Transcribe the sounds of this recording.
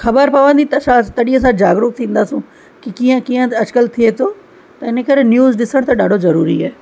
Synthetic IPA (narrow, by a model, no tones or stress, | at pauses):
xɐbəɾpɐʋə̃nd̪it̪ɐsãt̪ɐɗĩə̃sãd͡ʒaːɡɾʊk̚t̪ʰĩːnd̪aːsũ | kikiə̃kiːə̃ɐd͡ʒkəlt̪ʰiet̪ʰoː | t̪ɐɪnəkɐɾenjuːzɗɪsəɽ̃t̪ɐɗaːɖʱozɐɾuːɾḭaːe